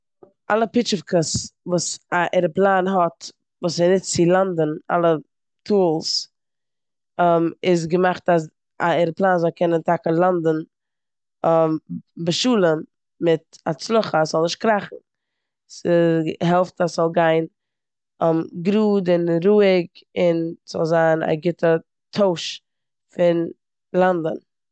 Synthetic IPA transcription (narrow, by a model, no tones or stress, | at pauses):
ʔalˠəpɪt͡ʃəfkəsvuːsaʔɛɾəplˠaːnɦɔt | vuːsɛnɪtt͡sɪlˠandəna̰lˠə | tʰuːlˠs | mɪs̬ɡəmaχtas | aɛɾəplˠaːnzɔlˠkʰɛnəntakəlˠandən̩ | mbəʃuːlˠən | mɪtat͡slˠʊχəsz̥ɔlˠnɪʃtkɾaχn̩ | sɪɦɛlˠftasz̥ɔlˠɡaɪn | mɡɾuːdɪnɾuːɪɡɪnz̥ɔ̰lˠzaːna̰ɡɪtə | tʰoʊʃ | fɪn | lˠandən